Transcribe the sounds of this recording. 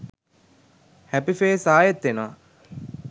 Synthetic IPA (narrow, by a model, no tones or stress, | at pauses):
hæpifeːsaːjet̪ːenoʋa